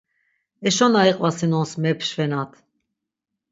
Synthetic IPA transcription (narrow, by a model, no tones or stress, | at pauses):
ɛʃɔnaiqʼvasinɔnsmɛpʰʃvɛnat̪ʰ